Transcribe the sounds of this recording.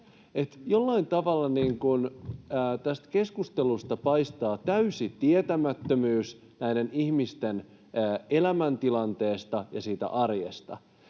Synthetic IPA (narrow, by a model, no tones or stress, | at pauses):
et̪jolːɑint̪ɑʋɑlːɑniːŋkunəːt̪æst̪ke̞skust̪elust̪ɑpɑijst̪ɑːt̪æysit̪iet̪æmæt̪ːømyːs | næideniçmist̪enː | elæmænt̪ilɑnt̪e̞ːst̪ɑjɑsiːt̪æ̰ʔɑrjḛst̪ɑ̰